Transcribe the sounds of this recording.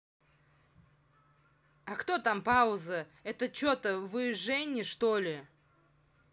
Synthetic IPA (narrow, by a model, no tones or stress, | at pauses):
akt̪ot̪ampaʊzəɛt̪ət͡ɕot̪əvɨʐɛnʲɪʂt̪olʲɪ